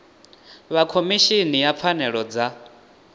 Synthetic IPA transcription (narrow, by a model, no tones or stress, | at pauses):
βakʰomiʃinijap̪fʰanɛɺɔd͡za